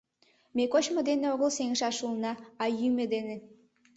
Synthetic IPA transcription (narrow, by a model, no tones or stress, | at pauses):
mekot͡ɕmŏd̪eneoɣəlseŋʃɑʃulnɑɑjymĕd̪enĕ